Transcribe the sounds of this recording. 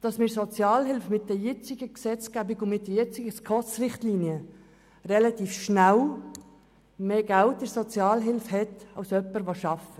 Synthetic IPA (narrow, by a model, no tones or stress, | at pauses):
d̥ɑsmɪɾsɔt͡sjɑːlɦɪlfmɪt̚d̥ɛjɛt͡sɪɡəksɛt͡skæbɪɡʊnmɪt̚dɛjɛt͡sɪɡəskʰɔt͡srɪχtliːniə | rɛlɑt̪iːfʃnæw | meːɡælt̚dəsɔt͡sjɑːlɦɪlfhɛtɑwsœpːəɾʋoʃɑfə